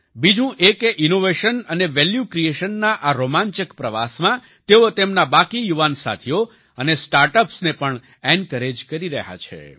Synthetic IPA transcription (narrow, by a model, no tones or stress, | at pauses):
bid͡ʒũʔekʔinoʋeʃənəneʋɛljukɾieʃənːaʔaɾomãɲt͡ʃəkpɾəʋa̰smã | t̪eot̪emnabakijuʋansa̰t̪ʰio | ənesʈaɾʈəpsnepəɳ | ɛnɖkəɾed͡ʒkəɾiɾə̰ɦa̰t͡ʃʰḛ